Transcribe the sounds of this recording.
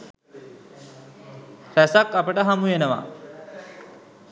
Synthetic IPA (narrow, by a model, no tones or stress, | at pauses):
ɾæsakapəʈəɦamujenəʋa̰